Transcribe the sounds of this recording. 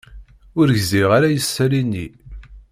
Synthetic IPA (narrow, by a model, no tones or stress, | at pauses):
ʊɾʝziʁaɾajəsːælinːi